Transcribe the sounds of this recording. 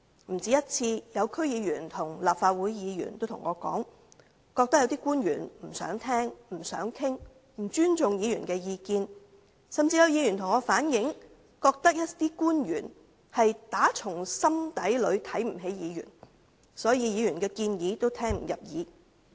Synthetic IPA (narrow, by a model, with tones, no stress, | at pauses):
m̩˨˩t͡siː˨˥jɐ˥t̚t͡sʰiː˧jɐ˨˧wkʰɵ˥ɥjiː˨˧jyː˨˩nt̪ʰʊ˨˩ŋlaː˨p̚faː˧t̚wuː˨˥jjiː˨˧jy̰ː˨˩nt̪o˥wt̪ʰʊ˨˩ŋːʔɔ̰ː˨˧kɔ̰ː˨˥ŋ | kɔː˧k̚t̪ɐ˥k̚jwt̪iː˥kuː˥njy̰ː˨˩nm̩˨˩sœ̰ː˨˥ŋt̪ʰɛː˥ŋm̩˨˩sœ̰ː˨˥ŋkʰɪ˥ŋ | m̩˨˩t͡ʃyː˥nt͡sʊ˨ŋjiː˨˧jyː˨˩nkɛː˧jiː˨˧kiː˧n | sɐ˨˩mt͡siː˧jɐ˨˧wjiː˨˧jy˨˩nt̪ʰʊ˨˩ŋːɔː˨˧˥faː˨˥njɪ˨˥ŋ | kɔː˧k̚t̪ɐ˥k̚jɐ˥tt̪iː˥kuː˥njyː˨˩n | hɐ˨jt̪aː˨˥t͡sʰʊ˨˩ŋsɐ˥mt̪ɐ˨˥jlɵ˨˧ɥt̪ʰɐ˨˥jm̩˨˩ɦe˨˥jjiː˨˧jy̰˨˩n | sɔː˨˥jiː˧jiː˨˧jyː˨˩nkɛː˧kiː˧njiː˨˧t̪o˥wt̪ʰɛː˥ŋm̩˨˩jɐ˨p̚jiː˨˧